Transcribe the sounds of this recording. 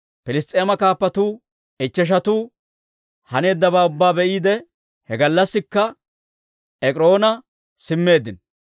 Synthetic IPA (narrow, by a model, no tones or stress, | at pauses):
pɪlɪst̪ʼeːmɐkaːpːɐt̪uː | ɛt͡ʃːɛʃ̬ɐt̪uː | hɐne̞ːd̪ːɐbaːʊbːaːbɛʔiːd̪ɛ | hɛɡɐlːɐsːɪkːɐ | ɛkʼɪɾo̞ːnɐ | sɪmːe̞ːd̪ɪn